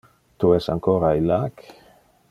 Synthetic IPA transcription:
t̪uesa̰ŋkoɾajlak

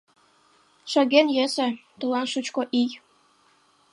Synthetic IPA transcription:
ʃə̆ɣenjesĕt̪ulɑnʃut͡ɕkoʔij

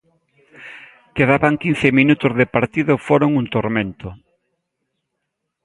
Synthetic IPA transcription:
keðaβaŋkin̟θɪminut̪ʊzðɪpaɾt̪iðʊfoɾʊŋunt̪oɾmẽnt̪ʊ

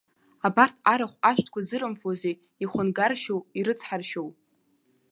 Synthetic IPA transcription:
abartʰaɾaχʷaʃʷᶣtʰkʷazɨɾɨmfozʷe | iχʷʊnɡarʃowiɾɨt͡sʰħarʃow

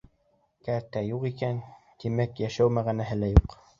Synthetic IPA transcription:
kæɾt̪æjuqikæn | t̪imækjæʃæwmæʁænæɦɘ̆læjuq

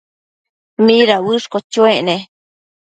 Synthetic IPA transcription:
mĩɾawɨʂkot͡ʃueʔnẽ

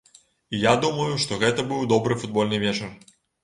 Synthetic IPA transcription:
ijad̪umɐjuʂt̪ɔɣɛt̪ɐbɨwd̪ɔbɾɨfud̪̚bɔlʲnɨvʲɛt͡ʂɐr

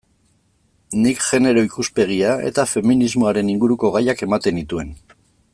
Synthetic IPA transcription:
nikʝe̞ne̞ɾo̞ikuspe̞ɣ̞iae̞̰t̪afe̞minizmo̞aɾe̞niŋɡuɾuko̞ɣajake̞mat̪e̞nit̪ue̞n

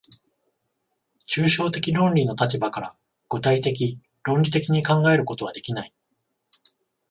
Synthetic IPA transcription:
t͡ɕɨːɕo̞ːt̪e̞kʲiɾõ̞nʲɾʲino̞t̪at͡ɕibakaɾa̰ | ɡ̥ot̪ait̪e̞k̬ʲi | ɾõ̞nʲɾʲit̪e̞kʲiɲ̟ikãŋɡae̞ɾɯ̟ko̞t̪o̞β̞ad̪e̞kʲinai

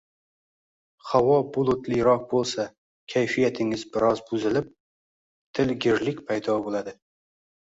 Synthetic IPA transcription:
hawɒbʊlˠʊt̪lɪɾɒq̚bolˠsa | kʲʰajfijat̪ʰɪŋɪzbɪɾɒzbʊzɪlɪp̚ | t̪ʰɪlɡʲɪɾlɪkʲpʰajd̪ɒbolˠad̪ɪ

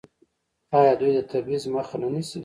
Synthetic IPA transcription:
ɑjɑd̪ujd̪ət̪ʰabizməxananisi

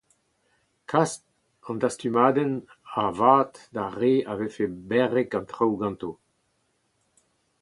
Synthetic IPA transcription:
kʰast | ɑ̃ndast̪ymaːd̪ɛn | avaːt̪daʁeːavefebɛʁɛkɑ̃nt̪ʁawɡɑ̃nt̪o

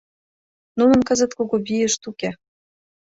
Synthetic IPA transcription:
nunɤ̆nkɤ̆zə̆t̪koɣobijə̆ʃt̪uke

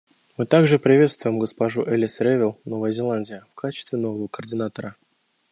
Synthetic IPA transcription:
mɨt̪aɡʐɨpɾʲɪvʲe̞t̪st̪vʊjɪmɡəspaʐuʔɛlʲɪsɾʲevʲɪlˠno̞vəjəzʲɪlˠanʲdʲɪjəfkat͡ɕɪ̥st̪vʲɪno̞vəvəkərdʲɪnat̪əɾə

